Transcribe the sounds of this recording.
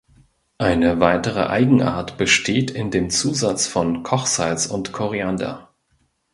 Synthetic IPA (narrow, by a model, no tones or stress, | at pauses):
ʔaɪnəvaɪtəʁ̞ə̰ʔa̰ɪɡŋ̩ʔa̰ːɐtb̥əʃtʰeːtɪndeːmt͡suːzat͡sfɔnkʰɔχz̥aɪlsʊntkʰɔʁeanda̰